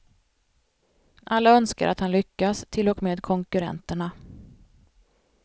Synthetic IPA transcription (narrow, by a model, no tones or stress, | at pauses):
ʔalːaœnska̰ɾʔa̰t̪hanlʏkːast̪ʰɪlːɔkmeːd̪kʰɔŋkɵɾɛ̰nt̪əɳa